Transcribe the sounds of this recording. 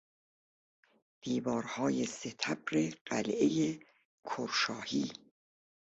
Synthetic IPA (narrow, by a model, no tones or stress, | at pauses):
d̪̥iːvɒːɾhɒːjeset̪ʰæbɾeɢ̥æ̰lʔeje | kʰoɾʃɒːhiː